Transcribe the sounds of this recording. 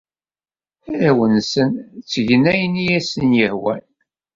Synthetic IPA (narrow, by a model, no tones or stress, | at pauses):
æwənsənt͡sːəʝənæjənijæsənjəhwæ̰l